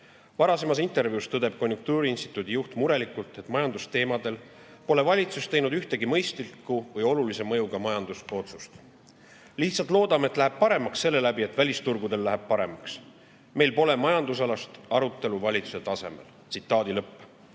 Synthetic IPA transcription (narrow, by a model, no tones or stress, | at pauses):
vɑɾɑse̞mɑs̬int̪ːˑe̞rviust̪ɤd̪e̞b̥̚ko̞nʲjuŋk̚t̪uːɾiinst̪i̥t̪ːˑud̪̥ijuht̪muɾe̞likːˑult̪e̞t̪ːˑmɑjɑnd̪ust̪e̞ːmɑd̪e̞l | po̞le̞vɑlʲit̪sust̪e̞jnud̪yht̪eɡ̥imɤ̞jst̪likːˑuvɤjo̞lulise̞mɤ̞juɡɑmɑjɑnd̪ust̪o̞t̪su̥st̪ | liht̪sɑlt̪ˑlo̞ːd̪̥ɑmeet̪ˑlæɦe̞b̥̚pɑɾe̞mɑksːe̞lːe̞læbie̞t̪ːvælʲist̪urɡud̪e̞lːæɦeb̥̚pɑɾe̞mɑks | me̞jlpo̞le̞mɑjɑnd̪us̬ɑlɑst̪ɑɾut̪ːˑe̞luvɑlʲit̪su̥se̞t̪ɑse̞̰me̞̰lt̪sit̪ˑːɑːd̪̥ilɤpː